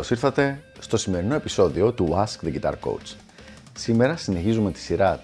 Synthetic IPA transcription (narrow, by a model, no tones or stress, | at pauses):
osiɾθɐt̪e̞st̪o̞sime̞ɾino̞e̞piso̞ðio̞t̪uɐskðiɡit̪ɐ̰ɾko̰wt͡s | sime̞ɾɐsine̞çizumet̪i̥siɾɐ